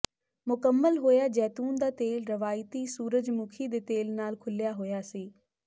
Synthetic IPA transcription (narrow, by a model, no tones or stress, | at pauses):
mʊkəmːəlɦoːjaːd͡ʒɛːt̪uːnd̪aːt̪eːlɾəʋaːɪt̪iːsuːɾəd͡ʒmʊkʰiːd̪eːt̪eːlnaːlkʰʊlɪjaːɦoːjaːsiː